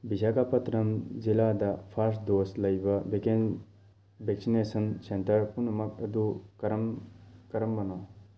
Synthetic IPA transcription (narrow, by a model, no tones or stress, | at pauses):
bid͡ʒakapɐt̪ɾɐmzilad̪apʰɐɾsʈd̪oːslɐjbɐbeken | bʱeksinesɐnsent̪ɐɾpunumɐkɐd̪ukɐɾɐmkɐɾɐmbɐna